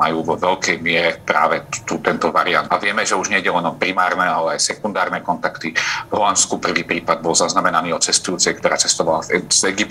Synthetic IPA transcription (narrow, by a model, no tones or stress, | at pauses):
majuːvɔʋɛʎkɛjmɪɛɾɛpɾa̰ːʋɛt̪uːt̪ɛnt̪ɔʋaɾia̰nt̪aʋɪɛmɛʒɛuʒɲɛiɟɛlɛnɔpɾimaːɾnɛalɛajsɛkund̪aːɾnɛkɔnt̪akt̪ivɦɔlanskupr̩ʋiːpɾiːpad̪̚bɔlzaznamɛnaniːɔtt͡sɛst̪ujuːt͡sɛjkt̪ɔɾaːt͡sɛst̪ɔʋalazzɛɡip̪